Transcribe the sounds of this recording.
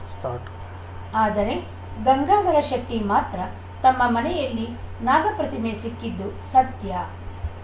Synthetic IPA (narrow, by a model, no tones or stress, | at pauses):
st̪ː | aːd̪ɐɾe̞ | ɡɐŋɡaːd̪ɐɾɐʃɐk̚ʈ̪ːimaːt̪ɾɐ | t̪ɐmːɐmɐnɛjɐlːinaːɡɐpɾɐt̪imesikːid̪ːusɐt̪jɐ